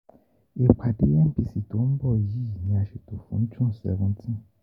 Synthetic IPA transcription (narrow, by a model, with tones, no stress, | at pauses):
e˨k͡pʰa˨de˦ɛ˦m̩˦pi˧si˨to˨˦n̩˦bɔ˦˨ji˦˨nĩ˧a˨ʃe˨to˨fṵ̃˨˦tũ˦n˨sɛ̰˧vũ˦tʰĩ˦